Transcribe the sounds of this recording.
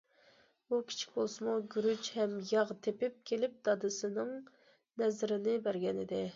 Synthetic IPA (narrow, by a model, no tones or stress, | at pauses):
bukʲʰi̥t͡ʃʰi̥k̚ʲbolˠsɨmuɡʲyɾyt͡ʃhɛmjɑʁt̪ʰepɪp̚kʲʰelɪp̚d̪ɑd̪ɨsɨnɪŋ | nɛzɪɾɪnɪbæɾɡʲɛnɪd̪ɪ